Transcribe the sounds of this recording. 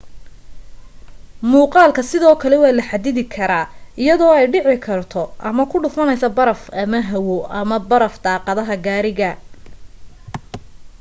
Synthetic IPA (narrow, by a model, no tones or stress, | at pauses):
muːqɑːlkʰɐsɪðɔːkʰɐlɛwɑːlɐħad̪ɪðɪkʰɐɾaːɪjɐðɔːɛjɖɪʕɪkʰɐrt̪ʰɔʔɐmɐkʰʊɖʊfɐnɛjsɐbɐɾɐfɐmɐɦɐwɔʔɐmɐbɐɾɐfd̪ɑːqɑðɐɦɐɡaːɾɪɣɐ